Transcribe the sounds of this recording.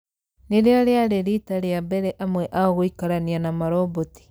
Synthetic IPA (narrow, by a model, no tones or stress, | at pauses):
neɾeaɾeaɾeɾitaɾeabeɾɛʔamwɛʔaoɣoikaɾanianamaɾoboti̥